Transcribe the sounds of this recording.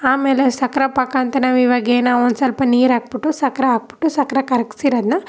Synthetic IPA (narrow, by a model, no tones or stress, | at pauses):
aːmeːlesɐkɾɐpɐkaːnt̪ɐnaːʋiʋaɡeːnaːond̪sɐlpɐniːɾaːk̚puʈːusɐkɾɐaːk̚pu̥ʈːusɐkɾɐkɐɾɐki̥siɾɐd̪nɐ